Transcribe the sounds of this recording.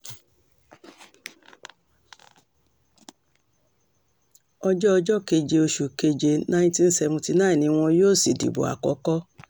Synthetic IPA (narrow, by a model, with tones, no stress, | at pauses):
ɔ˧d͡ʒɔ˦ɔ˧d͡ʒɔ˦ke˧d͡ʒe˧o˧ʃu˨ke˧d͡ʒe˧nã˦ĩ˦tĩ˦n̩˦sɛ˧vũ˧ti˧nã˦ĩ˨nĩ˧w̃ɔ̃˧joː˦˨si˨dḭ˨bo̰˨a̰˨kɔ˨˦kɔ˦